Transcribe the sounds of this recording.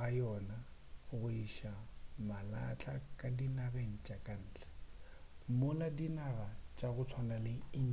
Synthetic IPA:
ajɔnaɣʊiʃamala̰t͡ɬʼakʼadinaɣeŋ̩t͡ʃʼakʼan̩ːt͡ɬɛ̥ | mʊladinaɣat͡ʃʼaɣʊt͡sʰwanalɪɪ

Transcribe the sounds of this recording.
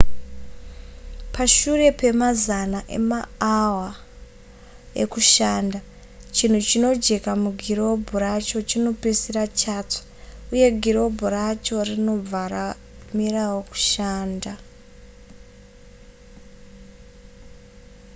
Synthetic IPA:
paʃure̞pe̞mazanaʔe̞̰maawa | ḛkuʃaːnda | t͡ʃin̤ut͡ʃino̞d͡ʒe̞kamuɡʱiro̞bʱorat͡ʃo̞t͡ʃino̞pesirat͡ʃato̥uje̞ɡʱiɾo̞bʱoɾat͡ʃo̞rino̞b͡vaɾa | mirawoku̥ʃaːnda

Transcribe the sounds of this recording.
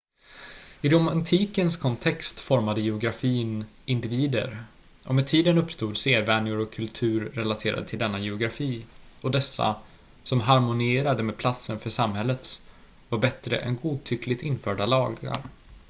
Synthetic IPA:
ɪd̪ɔmant̪ʰiːkənskʰɔnt̪ʰɛkst̪fɔɾmad̪əjɛʊɡɾafiːnʔɪnd̪ɪviːd̪ə̰ɾ | ʔɔmɛt̪ʰiːd̪ənɵpːst̪uːd̪seːɾvænɪʊɾɔkʰːɵlt̪ʰʉ̟ːɾːɛlat̪ʰeːɾa̰d̪ət̪ʰɪld̪ɛnːajɛʊɡɾafiːɔd̪ɛsːa̰ | sɔmɦaɾmʊnɪeːɾad̪əmeːd̪̚pʰlat̪sənfœʂamhɛlːət̪s | vaɾbɛt̪ɾə̰ʔɛ̰nɡuːd̪̚t̪ʰʏkʰlɪt̪ɪnfœːɖalɑːɡa̰ɾ

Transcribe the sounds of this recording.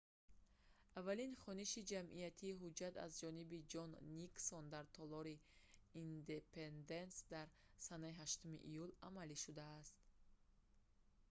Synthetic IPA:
avːalinχɔniʃid͡ʒamʔijat̪ʰiːɦud͡ʒat̪a̰zd͡ʒɔnibid͡ʒɔnːiksɔnd̪aɾt̪ʰɔlɔɾiind̪epend̪e̞nsd̪aɾ | sanaiɦaʃt̪umḭʔijulamaliʃud̪aːst̪

